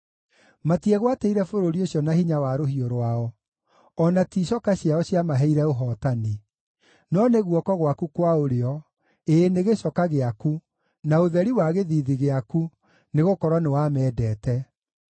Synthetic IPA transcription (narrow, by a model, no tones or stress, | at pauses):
matiɛɣwateiɾɛfoɾoɾioɕjɔnahiɲawaɾohioɾowaɔ | ɔnatiɕɔkaɕiaɔɕjamaɦɛiɾɛoɦɔːtani | nɔneɣwɔkɔɣwakukwaoɾeɔ | eːneɣeɕɔkaɣeaku | naoðɛɾiwaɣeðiðiɣeaku | neɣokɔɾwanewamɛːdɛːtɛ